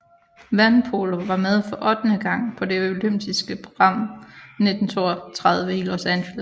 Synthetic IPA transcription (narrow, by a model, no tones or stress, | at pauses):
ʋænpʰolo̝ʋɑ̈með̞ˠfɒ̽ʔɒ̽d̥ənəɡ̥ɑ̈ŋ̰pʰɒ̽de̝oløm̰d̥isɡ̥əpʰʁo̝ɡ̥ʁɑ̈m̰ne̝d̥n̩t͡sʰo̝̰ːɐt͡sʰʁað̞ˠʋəilo̝sænɕelæs